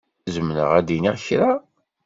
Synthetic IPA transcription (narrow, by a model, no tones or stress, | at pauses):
zəmnə̰ʁæd̪iniʁçɾa